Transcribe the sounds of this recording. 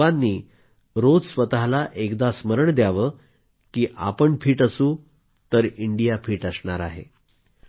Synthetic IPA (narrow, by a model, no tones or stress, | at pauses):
anːiː | ɾod͡zsʋət̪aɦlaʔekd̪asməɾəɳd̪jaʋəː | kiːʔa̰pəɳfʰiːʈəsuː | t̪əɾiɳɖijapʰiːʈəsɳaɾa̰ɦḛ